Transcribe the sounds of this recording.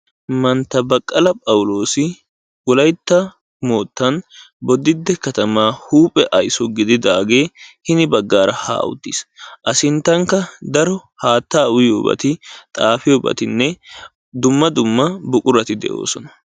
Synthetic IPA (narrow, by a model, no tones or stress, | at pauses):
mɐnt̪ːɐbɐkʼːɐlɐpʼɐwʊlo̞ːsɪ | wɔlɐjt̪ːɐ | moːt̪ːɐnbɔd̪ɪd̪ːɛkɐt̪ɐmaːhuːpʼːɛʔɐjsɔɡɪd̪ɪd̪aːɡe̞ːhɪnɪbɐɡːaːɾɐha̰ːʔʊ̰d̪ːisʔɐsɪnt̪ːɐŋkːɐd̪ɐɾɔhaːt̪ːaːʊjo̰ːbɐ̰t̪ɪt̪ʼaːfɪjoːbɐ̰t̪ɪnːɛ | d̪ʊmːɐd̪ʊmːɐbʊkʼʊɾɐt̪ɪd̪ɛ̰ʔo̞̰ːsɔnɐ̥